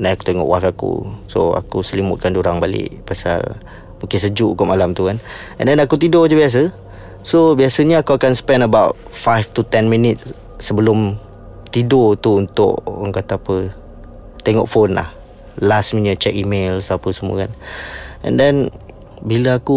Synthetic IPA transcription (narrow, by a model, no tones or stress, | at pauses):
najaku̥t̪eŋɔ̰ʔwafakṵso̰a̰kusəlimʊ̰t̪̚kandiuɾaŋbalɪ̰ʔpasa̰l | mũŋkɪnsəd͡ʒuʔkɔʔmalamt̪ukan | ɛ̰̃ndɛnakut̪idɔd͡ʒəbias̬ə | sobiasəɲəakuakansə̥pɛnəbawt̚fajft̪ut̪ɛnmĩnɪt̪̚s | səbəlʊm | t̪idɔt̪uunt̪ʊ̰ʔa̰ŋkat̪aapə | t̪ɛŋɔ̰ʔfonla̰h | lasminət͡ʃɛk̚imelsapəsəmuə̰kanʔɛ̰ndɛn | biləaku